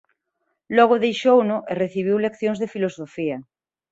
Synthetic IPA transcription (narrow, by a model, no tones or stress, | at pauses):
lɔɣ̞oðejʃownʊʔereθiβ̞iwlekθjõŋzðefilosofia